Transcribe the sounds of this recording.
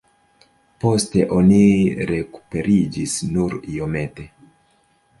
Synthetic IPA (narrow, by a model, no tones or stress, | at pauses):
po̞ste̞ʔo̞niɾe̞ku̥pe̞ɾid͡ʒisnuɾijo̞me̞te̞